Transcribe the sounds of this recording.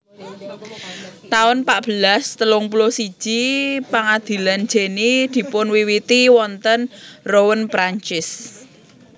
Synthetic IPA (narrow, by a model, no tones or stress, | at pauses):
t̪aʊnpaʔb̥ə̤last̪əlʊŋpulosi̥ʒ̥ipaŋad̪̥i̤lan̥d͡ʒ̥e̤nid̪̥i̤pʊnwiwit̪iwɔnt̪ənrowənpɾaɲt͡ʃɪs